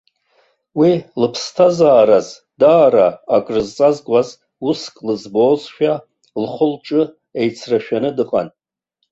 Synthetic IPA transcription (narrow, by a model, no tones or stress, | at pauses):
wilɨpʰstʰazaːɾaz | daːɾaːkʼrɨzt͡sʼazɡʷʼaz | uskʼlɨzboːzʃᶣa | lχʷʊlʈ͡ʂʼɨ | ejt͡sʰraʃᶣanɨdɨqʼa̰n